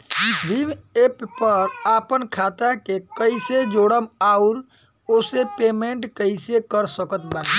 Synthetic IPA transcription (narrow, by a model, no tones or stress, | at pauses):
ib̪ʱimeppəɾapənkʰat̪akekəɪsed͡ʒoɽəmauɾ | osepemeɳʈkəɪsekəɾsəkət̪bai